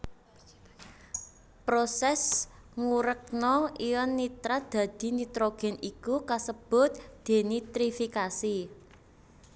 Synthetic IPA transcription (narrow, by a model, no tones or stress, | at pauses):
pɾosɛsŋuɾək̚nɔijɔnːit̪ɾad̪̥ä̤d̪̥i̤nit̪ɾoɡ̥ɛ̤nikukasəb̥ʊ̤t̪̚d̪̥e̤nit̪ɾifikasi